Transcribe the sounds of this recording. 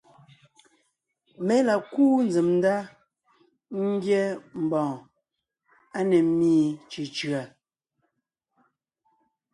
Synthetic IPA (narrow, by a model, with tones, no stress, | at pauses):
mɛ˨˦la˨kuː˦n˦d͡zi˨mn̩˦da˦ | ŋ̩˦ɡjɛ˦m̩˨bɔ̃ː˨ | a˦nɛ˨miː˦t͡ʃi˨t͡ʃɰa˨